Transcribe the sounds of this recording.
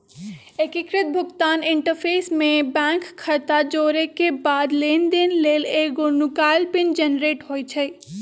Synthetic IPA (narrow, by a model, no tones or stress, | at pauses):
ekɪkɾɪt̪̚bʱʊɡt̪aːnɪɳʈəɾpʰeːsmẽbɛ̃ːŋkʰːəɾt̪ad͡ʒoːɾekebaːd̪leːnd̪enleːleːɡonʊkaːɪlpɪnd͡ʒənɾeːʈɦoːit͡ʃʰə